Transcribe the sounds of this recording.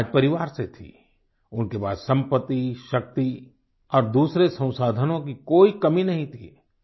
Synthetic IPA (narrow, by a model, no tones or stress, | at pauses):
d͡ʒpɐɾɪʋaːɾset̪ʰḭ | ʊnkeba̰ːd̪sɐ̃mpət̪ːiʃɐk̚t̪i | ɔːɾd̪uːsɾesɐ̃w̃saːd̪ʱənõkikoːikɐminɐɦĩt̪ʰḭː